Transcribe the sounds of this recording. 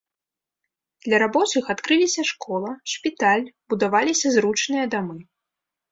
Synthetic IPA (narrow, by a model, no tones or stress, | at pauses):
d̪lʲɐɾabɔt͡sɨxat̪kɾɨlʲisʲɐʂkɔlˠɐʂpʲit̪alʲbud̪avalʲisʲɐzɾut͡ʂnɨjɐd̪amɨ